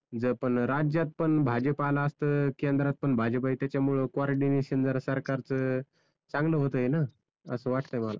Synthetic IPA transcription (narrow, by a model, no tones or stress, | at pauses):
d͡zəpəɳɾad͡ʑjat̪̚pəɳbʱad͡ʑəpalaəst̪əːkend̪ɾat̪̚pəɳbʱad͡ʑəpait̪jat͡ɕjamuɭəkʋaɾɖineɕənd͡zəɾsəɾkaɾt͡sə | t͡sãŋɡləːɦot̪əɦena | əsəːʋaʈʰt̪əjməla̰